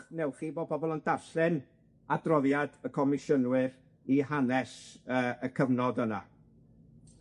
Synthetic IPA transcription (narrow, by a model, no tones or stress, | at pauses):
nɛwχiːboːbɔbɔlˠəndarɬɪn | adrɔðjadəkʰɔmɪʃənwɨr | iɦanɛsəəkʰəvnɔdəna̰